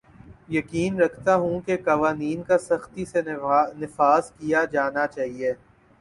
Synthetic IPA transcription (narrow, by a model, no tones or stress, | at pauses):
jɐkiːnɾɐkʰt̪aɦũkekaʋaːniːnkasɐxt̪isenɪfaːzkijad͡ʒaːnat͡ʃaːɦieː